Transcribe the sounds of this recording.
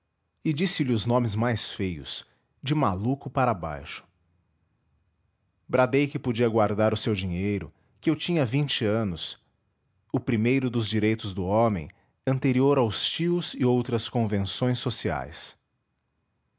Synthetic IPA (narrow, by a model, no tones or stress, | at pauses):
ɪd͡ʒisɪlɪʊznõmɪzmajsfejʊ̰s | d͡ʒɪmalukʊpaɾaba̰jʃʊ̥ | bɾad̪ejkɪpod͡ʒiɐɡwaɾd̪aɾʊsewd͡ʒiɲejɾʊ̰ | kɪewt͡ʃĩɲɐvĩnt͡ʃɪɐ̃nʊs | ʊpɾimejɾʊd̪ʊzd͡ʒiɾejt̪ʊzd̪ʊomḛ̃j̃ | ɐ̃nt̪eɾioɾawst͡ʃiʊzɪowt̪ɾɐskõvẽsõj̃sːosia̰js